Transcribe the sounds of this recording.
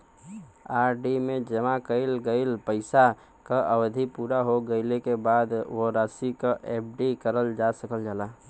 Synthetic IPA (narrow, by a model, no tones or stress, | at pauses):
aːɾɖimed͡ʒəmakəɪlɡəɪlpəɪsa | kaʔəbd̪ʱipuːɾaɦoɡəɪlekebaːd̪ʋoɾasikaʔep̚ɖikəɾəld͡ʒasəkəld͡ʒaːla